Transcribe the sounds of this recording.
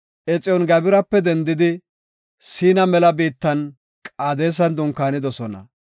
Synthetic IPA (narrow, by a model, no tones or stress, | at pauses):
ʔɛt͡sʼɪjɔnɡɐbɪɾɐpːɛd̪ɛnd̪ɪd̪ɪ | siːnɐmɛlɐbiːt̪ːɐn | kʼaːd̪e̞ːs̬ɐnd̪ʊŋkːaːnɪd̪ɔsɔnɐ̰